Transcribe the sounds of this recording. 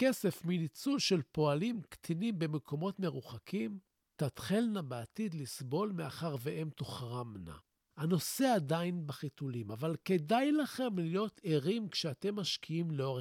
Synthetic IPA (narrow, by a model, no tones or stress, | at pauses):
ke̞sefminit͡sulʃe̞lpo̞alimkt̪ʰinimbe̞mekʰo̞mo̞tme̞ʁuχakʰim | t̪at̪χilnabeatid̪lisbo̞lmeaχaʁveʔe̞mt̪oχʁamna̰ | hano̞se̞adainbaχitulimavalke̞dajlaχe̞mlijo̞t̪ʰeʁimkʃeat̪e̞mːaʃkʰiimleoʁe